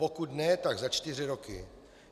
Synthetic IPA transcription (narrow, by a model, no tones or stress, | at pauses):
pokut̪nɛt̪aɡzat͡ʃt̪ɪr̝ɪɾokɪ̰